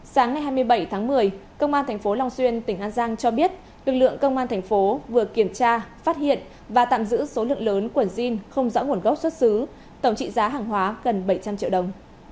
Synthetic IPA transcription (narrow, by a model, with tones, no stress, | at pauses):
saː˨˦ŋːa˨˩jɦaː˧jmɨ˧əjɓə˧˩jt̪ʰaː˨˦ŋmɨ˨˩əjkə˧wŋ͡mʔaː˧nt̪ʰɛ˨˩ŋ̟fo˨˦la˧wŋ͡mswi˧ənt̪ï˧˩ŋ̟ʔaː˧nzaː˧ŋt͡ɕɔ˧ɓi˦˥ət̚ | lɨ˨˩k̚lɨ̰˧˨əŋkə˧wŋ͡mʔaː˧nt̪ʰjŋ̟fo˨˦vɨ˨˩əki˧˩əmt͡ɕaː˧faː˦˥t̚hḭ˧˨ən | vaː˨˩t̪a̰ː˧˨mzɨ̰˧˥so˨˦lɨ̰˧˨əŋləː˨˦nkwə˧˩nzi˧nxə˧wŋ͡mzɔ̰ː˧˥ŋu˧˩ənɣə˦˥wk͡p̚swt̚sɨ˨˦ | t̪ə˧˩wŋ͡mt͡ɕḭ˧˨zaː˨˦ɦaː˨˩ŋɦwaː˨˦ɣə˨˩nɓə˧˩jt͡ɕa˧mt͡ɕḭ˧˨wɗə˨˩wŋ͡m